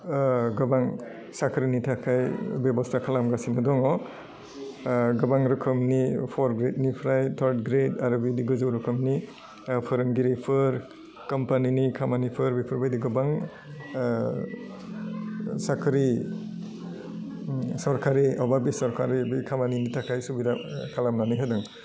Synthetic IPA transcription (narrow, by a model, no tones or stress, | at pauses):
ɡɐbaŋ | sakʰɾinitʰakʰajbebɔstʰakʰalamɡasinadɔŋɔ | ɡɐbaŋɾɯkʰɯmnipʰɔɾɡɾet̚nipʰɾajtʰaɾt̚ɡɾetaɾɔbidiɡɯzɯwɾɯkʰɯmni | pʰɯɾɯnɡiɾipʰɯɾ | kɔmpaninikʰamanipʰɯɾbipʰɯɾbajdiɡɯbaŋ | sakʰɾi | sɔɾkaɾiɔbabisɔɾkaɾibikʰamaninitʰakʰajsubidakʰalamnaniɦadɯŋ